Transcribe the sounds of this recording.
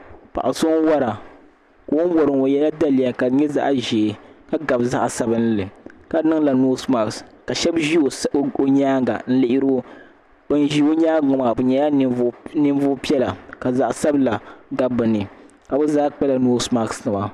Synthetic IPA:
pa̰˨ʔa˨so˦ŋ˦wa˦ɾa˨ | ka˨o˦n˦wɔ˨ɾɨ˨ŋo˨jɛ˦la˦da˦li˨ja˨ka˨ɲɛ˦za̰˦ʔʒeː˨ka˨ɡa˨bza˦ʔsa˨bɨ˦n˦lɨ˨ka˨nɨ˦ŋla˨noː˦sma˨kska˨ʃɛ˦bʒi˦o˨˦o˦ɲaː˦ŋɡa̰˨n̩˦lɪ˨ʔɪ˦ɾo˦ | bɨ˦nʒi˦o˦ɲaː˦ɡʊ˨ma˨bɨ˨ɲɛ˨ja˦nɨ˦vʊ˦pi˦ɛ˦la˨ka˨za˨ʔsa˦bla˨ɡa˦bɨ˨nɨ˨ | ka˨bɨ˦zaː˦k͡pɛ˦la˨no˦sma˨ksnɨ˨ma˨

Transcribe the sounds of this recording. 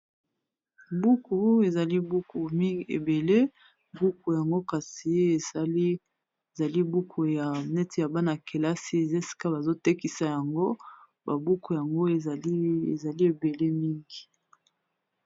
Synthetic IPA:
bu˦ku˨e˨za˨li˦bu˦ku˨m˦˨ḛ˨be˨le˦ | bu˦ku˨ja˨ŋɡo˦ka˨si˨e˦˨˦ | za˨li˦bu˦kʰu˨ja˨nɛ˦ti˨ja˨ba˦na˨kʰe˨la˦si˦e˨ze˦si̥˨ka˦ba˨zo˦te˦ki˨sa˦ja˨ŋɡo˦ | ba˨bu˦ku˨ja˨ŋɡo˦e˨˦ḛ˨za˨li˦e˨be˨le˦mi˦ŋɡi˨

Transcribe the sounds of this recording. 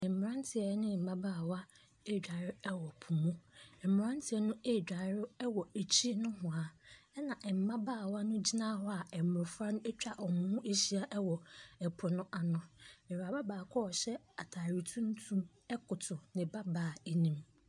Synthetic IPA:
ɛ̃˨m̩˨m˨ɾã˦n˦tʰɪ˨˦ɛ˨˦nɪ̃˦˨m̩˨bã˦baː˦˨wa˦ | e˦˨d͡ʑᶣa˨ɾɪ˦ɛ˦wɔ˨pʰu˨mũ˦ɛ˨m̩˨m˨ɾã˦n˦tʰɪ˨ɛ˦nʊ̃˦e˦˨d͡ʑᶣa˨ɾɪ˦ɛ˦wɔ˨e˨t͡ɕʰi˦nʊ̃˦ɦʊ̃˨a˨ɛ˦nã˨ʔɛ˨m̩˨mã˦baː˦˨wa˦nʊ̃˦d͡ʑi˦nã˦ɦɔ˦a˨ɛ˨m˨ɾʊ˨fɾa˦nʊ̃˦e˦t͡ɕᶣa˨ʔɔ˨mʊ̃˨˦hũ˦e˦ɕi˦a˦ʔɛ˦wɔ˨ɛ˨pʰʊ˨nʊ̃˦ʔa˨nʊ̃˨ɛ˨wa˨ba˦baː˨kʰɔ˦ɔ˨ɕɛ˦ | a˨tʰaː˨ɾi˨tʰũ˦n˦tʰũ˦m | ɛ˦kʊ˨tʰʊ˨nɪ̃˨ba˦baː˨e˨nĩ˨m

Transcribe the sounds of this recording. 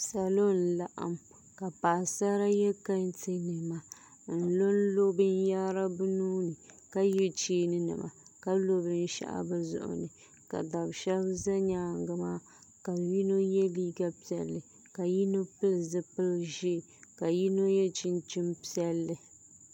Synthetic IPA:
sa˨lo˦n̩˨˦la˦ʔa̰˨m | ka˨pa˨sa˦ɾa˦jɛ˦ka˦n˦tɨ˦nɨ˨ma˨ | n̩˨˦lo˦n̩˦lo˦bɨ˦n˦ja˦ɾa˦bɨ˦nuː˦nɨ˨ | ka˦jɛ˦t͡ʃiː˦nɨ˦nɨ̰˨ma̰˨ka˦lo˦bɨ˦n̩˦ʃa̰˦ʔa̰˦bɨ˦zʊ̰˦˨ʔʊ̰˨nɨ˨ | ka̰˨da˨bʃɛ˦bza˦ɲaː˦˨ŋ˦ɡɨ˨˦maː˦ | ka˨ji˦no˦jɛ˦liː˦ɡa˦pi˦ɛ̰˨lːɨ˨ | ka˨ji˦no˦pɨ˦lzɨ˦pɨ˦lʒi˦˨ | ka˨ji˦no˦jɛ˦t͡ʃɪ˦nt͡ʃɪ˦mpi˦ɛ˦lːɨ˨

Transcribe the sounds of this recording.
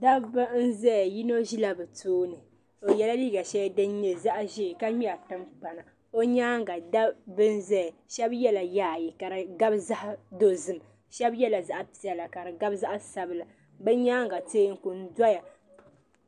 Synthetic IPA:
da˦bɨ˦n̩˦zɛ˦jji˦no˦ʒi˦la˦bɨ˨tʰoː˦nɨ˨ | o˨jɛ˦la˦li˦ɡa˨ʃɛ˦dɨ˦n˦ɲɛ˨za˦ʔʒi˦˨ka˦ɲi˦a˨tɨ˦mk͡pa˨na˨ | o˦ɲaː˦ŋ˦ɡa˨da˦bɨ˦n˦zɛ˦˨ʃɛ˦bjɛ˦la˨jaː˦˨ji˨ka˨ɾɨ˨ɡa˦bza˦ʔdo˦zɨ˨m | ʃɛ˦bjɛ˦la˨za˦ʔpi˨ɛ˨la˨ka˨ɾɨ˨ɡa˦bza˦ʔa˦sa˨bɨ˨la˨ | bɨ˦ɲaː˦ŋɡa˨teː˦ŋ̩˦ku˨n˦da˦ja˨

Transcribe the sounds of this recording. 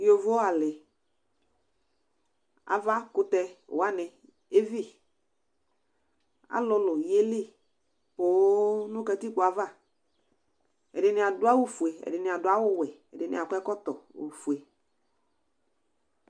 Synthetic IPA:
jo˨vo˦a˨lɪ˨ | a̰˨va˦kʊ˦t̪ɛ̰˦˨wa˦nɪ˨ | e˦vi˦˨ | a̰˨lʊ˨lʊ˨je˦li˦˨ | po˨˦nʊ̃˦ka˦ti˦kʊ˨a˨va˦˨ | ɛ̰˨dɪ˨nɪ̃˨a˨dʊ˦a˦wo˦fu˨e˨ɛ̰˨dɪ˨nɪ˨a˨dʊ˨˦a˦wʊ˦wɛ˨ɛ̰˨dɪ˨nɪ̰˨a˨kʷɛ˦kɔ˦t̪ɔ˨o̰˨fu˨e˨

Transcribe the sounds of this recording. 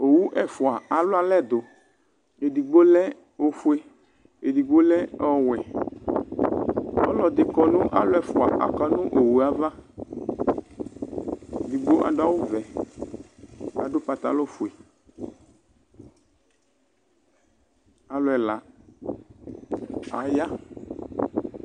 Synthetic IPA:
o˨wu˦ʔɛ˨fo˨a˨a˨lo˦a˨lɛ˦d̪o˨ | e˨di˨ɡ͡bo˦lɛ˦ | wo˨fu˦e˦ | e˨di˨ɡ͡bo˦lɛ˦ɔ˦˨wɛ˨ | ɔ̰˦lɔ˨d̪e˨kɔ˨nũ˦ʔa˦lo˦ɛ˨fo˨a̰˨ʔa̰˨kɔ˦nũ˦ʔo˨wu˨a˦va˦ | e˨di˨ɡ͡bo˦ʔa̰˨dʊ˦a˦wo˦vɛ˨ | a̰˨ɖo˦pa˨t̪a̰˨˦lɔ˦fu˨e˨ | a˨lʊ˨ɛ˨la˨ | a˨ja˦

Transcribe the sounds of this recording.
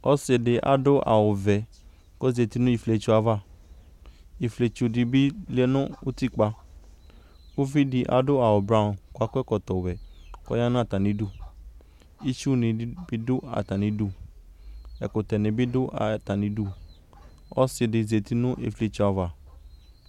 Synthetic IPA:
ɔ˦sɪ˧dɪ˧ʔa̰˨dʊ˦ʔa̰˨wʊ˨vɛ˨ | kɔ˦ze˨ti˦nʊ̃˦i˨fle˧t͡ʃu˨˦a˨va˦˨ | i˨fle˧t͡ʃu˨di˨bi˦li˦ɛ˦nʊ̃˦ʊ˦ti˦k͡pa˧ | u˦vi˦di˧ʔa̰˨dʊ˦a˨wʊ˨bɾa˦˨ko˦a˦kɛ˦kɔ˨t̪ɔ˨wɛ˨kɔ̰˦ja˦nʊ̃˦a˨ta˨nĩ˨˦du˦ | i˦t͡ʃu˦˨nɪ̃˨˦bi˦dʊ˦a̰˨ta˨nĩ˨du˦ | ɛ˨kʊ˨t̪ɛ˨nɪ̃˨bi˦dʊ˦ʔa˨ta˨nĩ˨du˦ | ɔ̰˦sɪ˧dɪ˨ze˨t̪i˦nʊ̃˦ʔḛ˨fle˧t͡ʃu˧˦a˨va˨

